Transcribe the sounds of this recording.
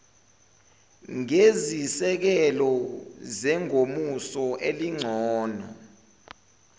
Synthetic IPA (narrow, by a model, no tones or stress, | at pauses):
ŋezisɛk̬ɛlɔzɛŋomusɔʔeliŋ͡ǀʱɔːna̰